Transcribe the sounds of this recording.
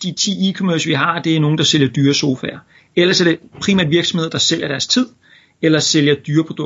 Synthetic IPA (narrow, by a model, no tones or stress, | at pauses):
d̥it͡sʰḭːikʰɔmøɐsʋiɦɑ̈d̥e̝æɐno̝ːŋn̩d̥ɑ̈sel̰jɐd̥yːɐso̝ːfæːɐ | elɐsæɐɾ̥e̝pʰʁiːmæ̰ɐd̥ʋiɐɡ̥sɒ̽mhe̝ðˠd̥ɑ̈sel̰jɐɾ̥æɐst͡sʰið̞̰ˠ | elɐseljɐd̥yːɐpʰʁod̥ɔ